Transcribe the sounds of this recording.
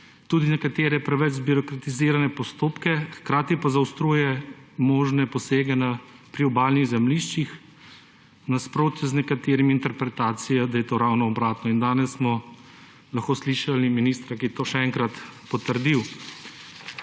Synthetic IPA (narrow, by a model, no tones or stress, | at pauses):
t̪uːd̪inɛkat̪eːɾɛpɾɛʋɛt͡ʃbiɾɔkɾat̪iziːɾanɛpɔst̪oːpkɛxkɾaːt̪ipazawst̪ɾuːjɛmoːʒnɛpɔseːɡɛnapɾiɔbaːlniɣzɛmliʃt͡ʃix | naspɾoːt̪znɛkat̪eːɾimint̪ɛɾpɾɛt̪aːt̪sijad̪ajɛt̪oːɾawnɔɔbɾaːt̪nɔind̪aːnɛsːmɔ | laxkoːsliʃaliminiːst̪ɾakiɛt̪oːʃɛɛŋkɾat̪pɔt̪əɾd̪iw